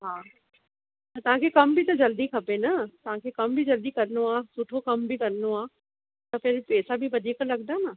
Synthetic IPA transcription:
ɦaː | t̪ɐʋ̤ãkʰekɐmbʱit̪ɐd͡ʑɐld̪ikʰɐpenɐt̪ɐʋ̤ãkʰekɐmbʱid͡ʑɐld̪ikɐɾənoaːsʊʈʰokɐmbɪkɐɾənoaː | t̪ɐpɪɾpeːsabɪʋɐd̪ʱiːklɐɡd̪aːnɐ

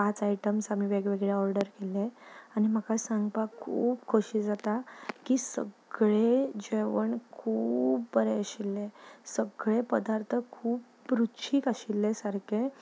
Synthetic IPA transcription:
pat͡sajʈəmsamiːʋeɡʋeɡɭjaɔɾɖəɾkeleañim̤əkasaŋɡpakʰuːpkʰoɕiːd͡zat̪akiːsə̰ɡɭed͡ʑeʋəɳkʰuːpːəɾeəɕilːesəɡɭepəd̪aɾt̪ʰəkʰuːpːɾutɕʰiːkaɕilːesaɾkʰe

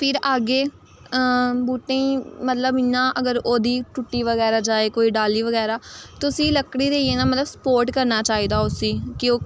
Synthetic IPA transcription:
pʰɪɾaːɡeː | buːʈẽiːmət̪ləbɪnãːʔəɡəɾoːd̪iːʈʊʈːiːʋəɡɛːɾaːd͡ʒaːeːkoːiːɖaːliːʋəɡɛːɾaːt̪ʊsĩːləkɽiːɾəieːnaːmət̪ləbsə̥poːɾʈkəɾnaːt͡ʃaːiːd̪aːʊsĩːkɪoː

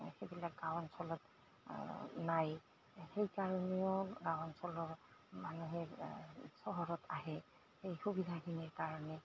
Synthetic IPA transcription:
xebilak̚ɡawɔnsɔlɔt | naj | xejkaɹɔneʊɡawɔnsɔlɔɹmanuɦɛɹsɔɦɔɹɔtʰaɦɛ | xejxubidʱaɡiniɹkaɹɔnɛ

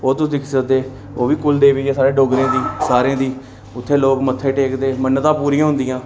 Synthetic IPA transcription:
oːt̪ʊsiːksəd̪eː | oːʋiːkʊld̪eːʋiːeːsaːɾeːɖoːɡɾẽːd̪iːsaːɾẽːd̪iː | ʊt̪ʰːeːloːkmət̪ʰːeːʈeːkd̪eːmənːt̪ãːpuːɾĩjãːɦʊ̃nd̪ɪjãː

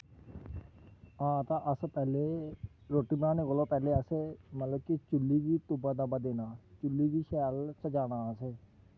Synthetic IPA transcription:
ãːt̪ãːʔəspɛːleː | ɾoːʈːiːbnãːneːɡolõːpɛːleːəseːmət̪ləb̚kit͡ʃʊlːiːʋiːt̪ʊbaːd̪aːbaːd̪eːnaːt͡ʃʊlːiːʋiːʃɛːlsəd͡ʒaːnaːəseː

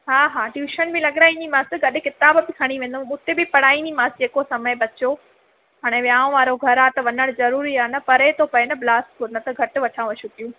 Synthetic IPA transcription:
ɦaːɦaːɖjuːʃənbʱɪ̃lɐɠɾaːĩnd̪imãːsɪɡɐɗɪkɪt̪aːbbɪkʰɐɽ̃iʋẽːn̆d̪omũːt̪ebɪpɐɽaːĩnd̪imãːsɪd͡ʑeːkosɐməɪbɐt͡ɕo | ɦaːɽ̃ẽʋjaːʊ̃ʋaːɾoɡʱɐɾaːt̪ɐʋɐnəɽ̃zɐɾuːɾiaːnɐpɐɾet̪ʰopɐenɐblaːsʈkʰoɾnɐt̪ɐɡʱɐʈʊ̆ʋɐʈʰãːʋɐʃʰũpijũː

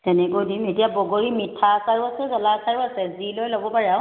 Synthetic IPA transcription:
tɛnɛkodimetijabɔɡoɹimitʰːasaɹbasɛɡəlasaɹbasɛzilojlɔbɔpaɹɛaʊ̃

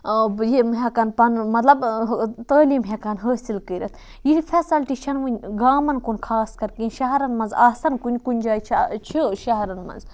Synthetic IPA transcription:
jimɦekanpɐnmɐt̪lɐbt̪əːliːmɦʲekanɦəːsilkəɾɐt̪ʰ | jilfʰesɐlʈit͡ʃʰɐnʋunʲɡaːmɐnkunkʰaːskɐɾkinʲʃɐɦɐɾɐnmɐnzaːsɐnkunʲkunʲd͡ʒaːjt͡ʃʰt͡ʃʰiʃɐɦɐɾɐnmɐ̰nz

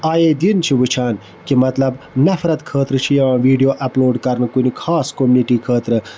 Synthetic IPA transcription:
aːjeːd̪int͡ʃʰiʋɨt͡ʃʰaːn | kimɐt̪lɐb | nɐfɾɐt̪kʰəːt̪ɾɨt͡ʃʰijɐʋãːʋiːɖijoːʔɐploːɖkɐɾnkunikʰaːskomniʈiːkʰəːt̪ɾɨ

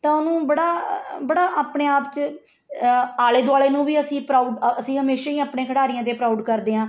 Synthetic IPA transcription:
t̪ãːʊnũːbəɽaːbəɽaːʔaːpɳeːaːpt͡ʃ | aːleːd̪ʊaːɭeːnũːʋiːəsĩːpɾaːuɖəsĩːɦəmeːʃaːiːaːpɳẽːkʰəɽaːɾijãːt̪̬eːpɾaːɖkəɾd̪eːãː

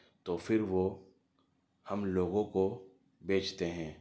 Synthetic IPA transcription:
t̪oːfʰɪɾʋo | hɐmloːɡõko | beːt͡ʃt̪eɦɛ̃ː

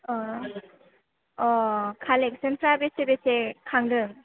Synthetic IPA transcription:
ɔ | ɔkʰalek̚sɯnpʰɾabesebesekʰaŋdɯŋ

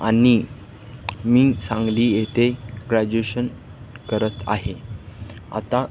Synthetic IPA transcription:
aɽ̃i | miːsãŋɡliːjet̪eɡɾad͡ʑueɕən | kəɾət̪a̰ɦe | a̰t̪a

